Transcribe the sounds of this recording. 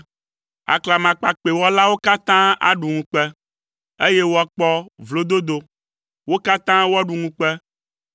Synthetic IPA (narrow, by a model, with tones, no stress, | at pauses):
a̰˨kla˨mã˨k͡pa˨k͡pe˨wɔ˦la˦wo˦ka˦t̪ã˦a̰˦ɖu˨ŋũ˨k͡pɛ˦ | e˦je˦wo˦a˨k͡pɔ˦vlo˨d̪o˦d̪o˨ | wo˦ka˦t̪ã˦wo˦a˦ɖu˨ŋũ˦k͡pɛ˦